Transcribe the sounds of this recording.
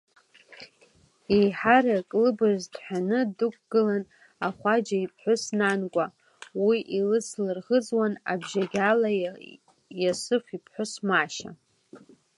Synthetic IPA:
ejħaɾakʼlɨbɨʒdħʷᶣanɨdukʷʰʼɡ̥ɨlan | aχʷad͡ʒaipʰħʷʊsnankʷʼa | wiʔilɨslɨrʁəd͡zwana̰bʒaɡʲala | jasɨfʷipʰħʷʊsmaʃa̰

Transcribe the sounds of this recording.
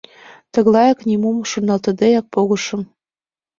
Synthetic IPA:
t̪ɤ̆ɣlˠɑjɑknʲimumʃunːɑlt̪ɤ̆d̪ɑjɑk̚poɣɤ̆ʃɤ̆m

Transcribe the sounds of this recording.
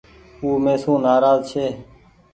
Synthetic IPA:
uːmeːsũːnaːɾaːzt͡ʃʰeː

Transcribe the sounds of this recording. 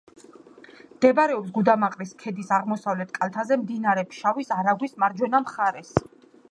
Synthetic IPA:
md̪̥ɛbɾɛɔps̬ɡud̪amaqʼɾiskʰɛd̪isaʁmɔsavlɛt̪̚ʰkʼalˠt̪ʰazɛmd̪inaɾɛpʰʃavisaɾaɡwismaɾd͡ʒwɛnamχaɾɛs

